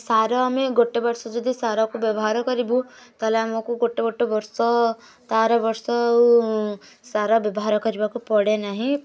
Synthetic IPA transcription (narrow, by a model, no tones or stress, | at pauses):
saɾɔmeɡoʈːebəɾsɔd͡ʒɔd̪ʱisaɾakubjəbɔɦaɾkəɾibut̪ɔlemakuɡoʈːeɡoʈːebəɾsɔ | t̪aɾɔbəɾsɔ | saɾabjəbɔɦaɾɔkəɾibakupɔɽenaɦĩ